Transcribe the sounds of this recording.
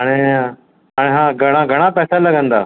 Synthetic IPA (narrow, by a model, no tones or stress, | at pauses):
ɦaːɽ̃e | aːɽ̃eɦãːɡʱɐɽ̃ãɡʱəɽ̃apɛːsaləɡə̃nd̪aː